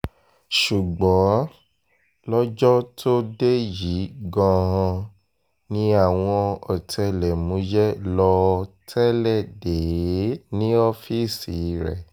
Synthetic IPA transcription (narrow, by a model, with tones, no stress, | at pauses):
ʃu˨ɡ͡bɔ̃˨˦ | lɔ˦d͡ʒɔ˦tʰo˦de˦ji˨˦ɡã˧ɦɔ̃˧ | nĩ˦a˦˨w̃ɔ̃˧ɔ˨tɛ˧lɛ˨mũ˨˦d͡ʒɛ˦lɔ˧tʰɛ˦lɛ˦˨de˨e˨˦nĩ˦ɔ˦fi˦˨si˨ɾɛ˨